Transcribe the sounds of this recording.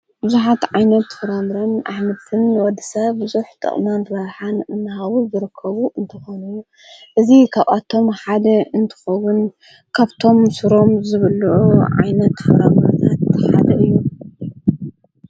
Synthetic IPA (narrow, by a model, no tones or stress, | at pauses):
bɨzuħat̪ʕajnɐt̪fɐɾamɾɐnʔaħmɐt̪ʰɨnwɔd̪ɨsɐβbɨzuħt̪ʰʼɐ̰χʼmanɾɐɾħanɨnːɨɦawuzɨɾɨkʰːɐβuʔɨnt̪ʰɨxonu | ʔɨzikʰaβʔʼat̪ʰo̞mħad̪ɐɨnt̪ʰɨ̥xɐwʊn | kʰaβt̪ʰo̞msɨɾo̞mzɨβɨlʕuʕa̰jnɐt̪fɨɾamɾɐnʰat̪ħa̰d̪ɐʔɨjːu